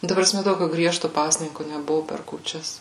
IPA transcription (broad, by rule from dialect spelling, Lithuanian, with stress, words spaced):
nʊ ˈtɐ prɐˈsʲmʲɛ ˈtoːkʲʊ ˈɡrʲiɛʃtʊ ˈpɑːsʲnʲɪŋkʊ nʲɛˈbʊʋʊ pʲɛr kuːˈt͡ʃʲɛs